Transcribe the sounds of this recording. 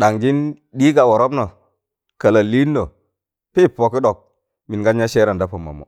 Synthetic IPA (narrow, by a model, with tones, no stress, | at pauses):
ɗa˨ŋd͡ʒi˦n | ɗi˦ɡa˨wo˨ɾo˦bno˨ | kə˨la˨li˦nː˦o˨ | pi˦po˨ki˦ɗo˨k̚ | mi˨nɡa˦n˦ja˦ʃeː˦ɾa˨nda˦po˨mːa̰˨mo̰˨